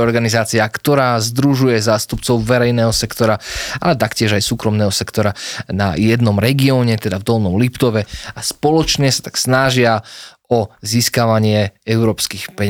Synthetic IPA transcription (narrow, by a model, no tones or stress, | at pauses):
ɔɾɡanizaːt͡siakt̪ɔɾaːzd̪ɾuʒujɛzaːst̪upt͡sɔʊʋɛɾɛjnɛːɦɔsɛkt̪ɔɾaa̰lɛt̪akcɪɛʒajsuːkɾɔmnɛːɦɔsɛkt̪ɔɾana̰jɛd̪nɔmɾɛɡiɔːɲɛt̪ɛd̪avd̪ɔlnɔmlipt̪ɔʋɛaspɔlɔt͡ʃɲɛsḁt̪ḁksnaʒɪa | ɔziːskaʋaɲɪɛɛʊɾɔːpskiːxpɛɲa